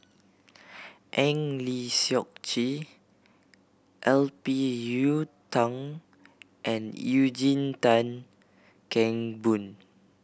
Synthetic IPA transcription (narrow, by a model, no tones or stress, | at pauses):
ʔɛ̃ŋlisiɔk̚t͡ʃi | ʔɛlpijutãŋ | ʔɛ̃nud͡ʒĩntãn | kɛ̃ŋbũn